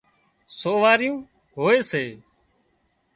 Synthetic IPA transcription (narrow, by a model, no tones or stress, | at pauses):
soːʋaːɾɪjũː | ɦoːeːseː